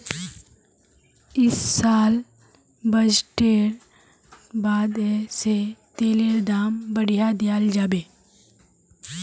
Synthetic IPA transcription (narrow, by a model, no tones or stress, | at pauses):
ɪsːaːl | bəd͡ʒʈeːɾ | baːd̪eset̪eːleɾd̪aːmbəɽijad̪ɪjaːld͡ʒaːbeː